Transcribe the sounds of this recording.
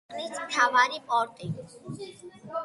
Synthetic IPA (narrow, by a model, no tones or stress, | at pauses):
nit͡st̪ʰaːʋaːɾipɔːɾt̪i